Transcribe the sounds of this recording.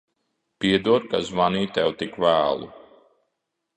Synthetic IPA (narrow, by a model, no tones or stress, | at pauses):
piɛd̪uɔɾkazvaniːt̪ɛwt̪ikvæːlˠṵ